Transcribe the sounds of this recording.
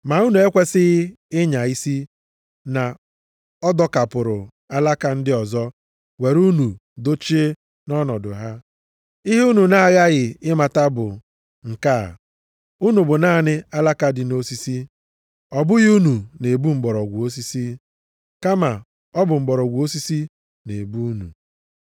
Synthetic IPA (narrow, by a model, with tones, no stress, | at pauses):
ma˨u˦nu˨e˦kʷe˦sɪ˦ɣɪ˦ | ɪ˦ɲa˨i˦si˦ | na˨ | ɔ˦dɔ˦ka˨pʊ˨ɾʊ˨ | a˦la˦ka˨n̩˦dɪ˦ɔ˨zɔ˦ | we˨ɾu˦nu˨do˦t͡ʃi˦ | nɔ˦nɔ˨dʊ̰˨ɦa˦ | ɪ˦ɦi˦u˦nu˨na˦a˦ɣa˦ɣɪ˨ɪ˦ma˨ta˦bʊ̰˨ | ŋ̩˨ka̰ː˦˨ | u˦nu˨bʊ˨naː˦˨nɪ˦a˦la˦ka˨dɪ˨no˦si˦si˦ | ɔ˨bʊ˦ɣu˦nu˨ne˨bu˦ŋ͡m̩˨ɡ͡bɔ˨ɾɔ˨ɡʷu˨o˦s̬i˦si˦ | ka˦ma˨ | ɔ˦bʊ˨ŋ͡m̩˨ɡ͡bɔ˨ɾɔ˨ɡʷu˨o˦si˦si˦ | nḛ˨bu˦u˦nṵ˨